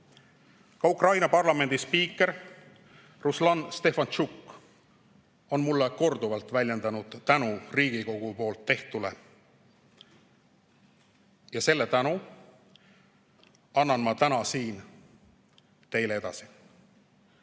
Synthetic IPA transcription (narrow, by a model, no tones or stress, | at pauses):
kɑukrɑjnɑpɑrlɑme̞nd̪̥ispiːkːˑe̞ɾ | ruslɑnst̪e̞fɑnt͡ʃukːˑ | o̞nmulːeko̞rd̪uvɑlt̪ˑvælʲje̞nd̪ɑnud̪̥t̪ænuriːɡ̥iko̞ɡ̥upo̞ːlt̪ːe̞ht̪ule̞̰ | jɑse̞lːe̞t̪ænu | ɑnːɑnmɑt̪ænɑsiːn | t̪e̞jlee̞d̪̥ɑ̰si̥